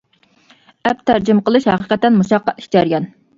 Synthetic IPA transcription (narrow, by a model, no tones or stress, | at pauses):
ɛp̚t̪ʰæɾd͡ʒimqəlˠɨʃhɑ̰qəqɛt̪ːɛnmuʃɑqːɑt̪i̥ʃd͡ʒɑɾjɑn